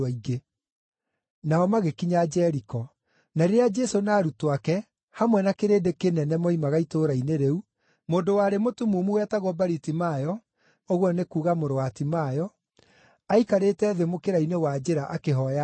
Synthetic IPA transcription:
aiɡe | naɔmaɣekiɲad͡ʒɛɾikɔ | naɾeɾead͡ʒɛsonaːɾutwakɛ | hamwɛnakeɾeːdekenɛnɛmɔimaɣaitoɾaineɾeu | moːndowaːɾemotumumuwɛtaɣwɔbaɾitimajɔ | oɣwɔnekuːɣamoɾoatimaːjɔ | aikaɾetɛːðemokeɾainewad͡ʒeɾaʔakeɦɔja

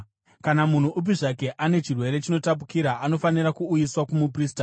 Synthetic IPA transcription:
kanamun̤uʔup̬iʐak̬e̞ʔane̞t͡ʃirwe̞ɾe̞t͡ʃino̞tap̬u̥kiɾaʔano̞faniɾakuːjiswakumup̬riːsta

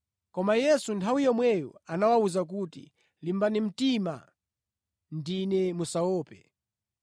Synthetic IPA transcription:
kɔmajɛsuntʰawijɔmwɛjɔ̰anawauzak̬utḭ | limbanim̩tima̰ | ndinɛmusaɔːpɛ

